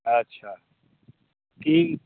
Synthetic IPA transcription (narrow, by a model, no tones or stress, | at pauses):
ɐtːʃʰa | kiŋ